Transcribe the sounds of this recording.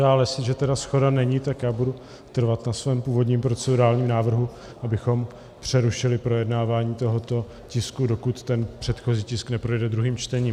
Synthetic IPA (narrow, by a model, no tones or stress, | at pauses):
aːljɛsɪʒɛt̪ɛdasxo̞danɛɲit̪akjaːbudu | t̪r̩vat̪nasvɛːmpuːvo̞dɲiːmpɾo̞t͡sɛduɾaːlɲiːmnaːvr̩ɦu | ʔabɪxo̞m | pr̝̥ɛɾuʃɪlɪpɾo̞jɛdnaːvaːɲiːt̪o̞ɦo̞t̪o̞ | cɪskudo̞kut̪ːɛnpr̥ɛt̪xo̞ziːcɪsknɛpɾo̞jɛdɛd̪ɾuɦiːmt͡ʃt̪ɛɲiːm